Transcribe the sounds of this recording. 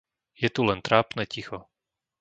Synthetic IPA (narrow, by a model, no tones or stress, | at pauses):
jɛt̪ulɛnt̪ɾaːpnɛːcixɔ